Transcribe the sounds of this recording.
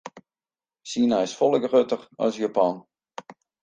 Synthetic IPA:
siənajɪsfɔlˠəkrøtəxɔ̰sjapan

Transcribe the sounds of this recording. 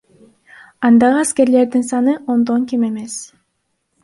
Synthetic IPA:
ɑnd̪ɑʁɯæske̞ɾle̞ɾd̪insɑnɯʔo̞nd̪o̞ŋkime̞me̞s

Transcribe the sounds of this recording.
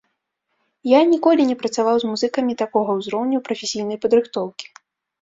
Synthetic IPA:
janʲikɔlʲinʲɛpɾɐt̪savawzmuzɨkɐmʲit̪akɔɣɐwzɾɔwnʲuwpɾɐfʲesʲijnɐjpɐd̪ɾɨxt̪ɔwkʲi̥

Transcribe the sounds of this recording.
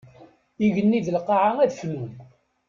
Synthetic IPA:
iʝənːiðəlqɑʕaæðflum

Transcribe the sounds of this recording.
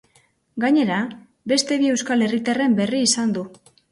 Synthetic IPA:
ɡaɲe̞ɾa | be̞st̪e̞βie̞wskale̞rit̪are̞mbe̞riːsand̪u

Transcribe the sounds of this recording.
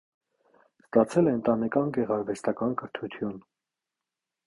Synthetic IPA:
st̪ɑt͡sʰɛlɛːnt̪ɑnɛkɑnɡɛʁɑɾvɛst̪ɑkɑnkəɾt̪ʰut̪ʰjun

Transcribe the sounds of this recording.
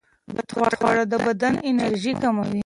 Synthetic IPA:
bat̪xwɑt̪xwɑ̰ɽad̪əbad̪anɪnaɾʒikamawi

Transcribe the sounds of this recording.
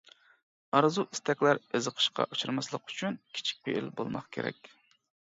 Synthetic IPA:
ɑɾzuʔi̥st̪ʰɛkʲlæɾezəqʰə̥ʃqɑ̰ʔut͡ʃʰɨɾmɑslˠəqy̥t͡ʃʰynkʲʰi̥t͡ʃʰi̥k̚ʲpʰeʔḭlbo̰lˠmɑχkʲʰḛɾɛ̰kʲ

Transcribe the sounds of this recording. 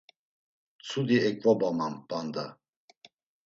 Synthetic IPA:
t͡sʰud̪iɛkʼvabamampʼand̪a

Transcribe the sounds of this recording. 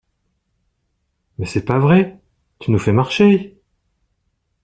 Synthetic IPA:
mɛsɛpavʁɛ | t̪ynufɛmaʁʃe

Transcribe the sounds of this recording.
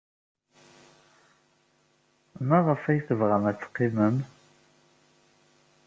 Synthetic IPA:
mæʁəfæjθəvʁæmæt͡sːqːiməm

